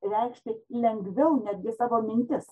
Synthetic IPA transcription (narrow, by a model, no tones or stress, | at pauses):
ɾʲɛɪkʃʲt̪ʲelʲɛŋɡʋʲɛʊnʲæd̪ʲɡʲɪsɑːʋoːmʲɪnʲt̪ʲɪs